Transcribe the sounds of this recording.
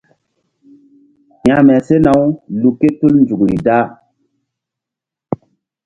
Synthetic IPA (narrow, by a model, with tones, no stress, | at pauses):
ɲja˨mɛ˨se˦na˨˦wlu˨kːe˦tu˦lnd͡zu˨kɾḭ˨da˦